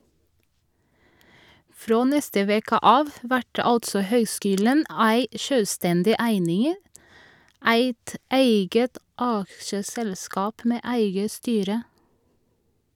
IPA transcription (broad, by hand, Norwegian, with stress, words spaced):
ˈfɾoː ˈnɛstə ˈʋeːkə ˈʔɑːʋ ˈʋæʈ ə ˈɑltsɔ ˈhœʏˌskyːlən ˈæɪ ˈʃøːˌstɛndɪ ˈæɪnɪŋ ə ˈæɪt ˈæɪɡət ˈʔɑkʃəˌsɛlˌskɑːp ˈmeː ˈʔæɪɡə ˈstyːɾə